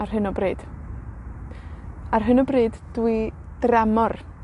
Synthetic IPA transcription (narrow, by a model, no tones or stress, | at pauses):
arɦɨnɔbriːd̥ | arɦɨnɔbriːdd̥wɨ | d̥ramɔr